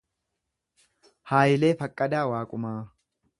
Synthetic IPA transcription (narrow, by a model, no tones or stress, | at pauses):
haːjɪle̞ːfɐkʼːɐd̪aːwaːkʼʊmaː